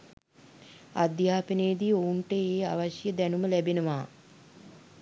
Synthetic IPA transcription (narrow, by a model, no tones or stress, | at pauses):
a̰d̪jaːpineːd̪iouɳʈəeːaʋaʃjəd̪ænuməlæbenəʋaː